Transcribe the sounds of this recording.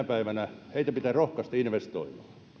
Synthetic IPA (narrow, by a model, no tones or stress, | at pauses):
æpæiʋænæheˑit̪æpit̪æːrohkɑst̪iinʋest̪o̰imˑɑː